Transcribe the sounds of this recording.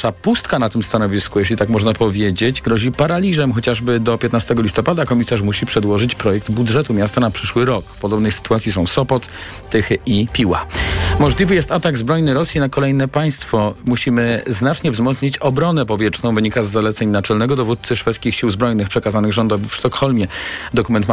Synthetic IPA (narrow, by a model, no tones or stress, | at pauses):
ʂapust̪kanat̪ɘmst̪anɔvʲiskujeɕ̬lʲit̪akmɔʐnapɔvʲjed͡ʑed͡ʑɡɾɔʑipaɾalʲizɛmxɔt͡ɕaʐbɘd̪ɔpʲjɛt̪nast̪ɛɡɔlʲist̪ɔpad̪akɔmʲisaʂmuɕipʂɛd̪wɔʐɘt͡ɕpɾɔjɛk̚d̪budʐɛt̪umʲjast̪anapʂɘʂwɘɾɔkpɔd̪ɔbnɛjsɘ̥t̪uwat̪sʲjisɔ̃w̃sɔpɔt̪ː | ɘxɘʔipʲiwa̰mɔʐlʲivɘjɛst̪at̪aɡzbɾɔjnɘɾɔsʲjinakɔlɛjnɛpaj̃st̪fɔmuɕimɘznat͡ʂɲɛvzmɔt̪sɲit͡ɕɔbɾɔnɛpɔvʲjɛt͡ʂnɔ̃w̃vɘɲikazːalɛt̪sɛɲnat͡ʂɛlnɛɡɔd̪ɔvut̪̚t̪sɘʂfɛt̪skʲixɕiwzbɾɔjnɘxpʂɛkazanɘɣʐɔnd̪ɔvfʂt̪ɔkxɔlmʲjɛd̪ɔkumɛnt̪